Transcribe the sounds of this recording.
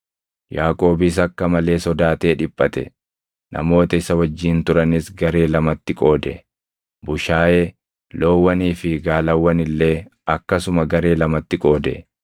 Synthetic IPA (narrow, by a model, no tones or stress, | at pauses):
jaːkʼo̞ːbɪs̬ɐkːɐmɐle̞ːsɔd̪aːt̪e̞ːᶑɪpʼːɐt̪ɛ̰ | nʔɐ̰mo̞ːt̪ɐɪsɐwɐd͡ʒːiːnt̪ʊɾɐnɪsɡɐɾe̞ːlɐmɐt̪ːɪkʼo̞ːd̪ɛ | bʊʃaːʔeː | loːwːɐniːfɪɡaːlɐwːɐnɪlːe̞ːɐkːɐsʊmɐɡɐɾe̞ːlɐmɐt̪ːɪkʼo̞ːd̪ɛ